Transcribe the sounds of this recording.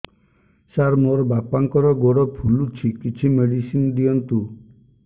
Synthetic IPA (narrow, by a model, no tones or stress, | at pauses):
saɾmoɾɔbapaŋkɔɾɔɡoɽɔpʰulut͡ʃʰikit͡ʃʰimeɽisind̪iɔnt̪u